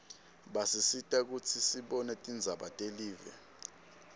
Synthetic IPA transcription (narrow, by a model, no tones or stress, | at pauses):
ɓasisitʼak̬ut͡sʰisiɓɔnɛtʼind͡zʱaɓatʼeliːvɛ̰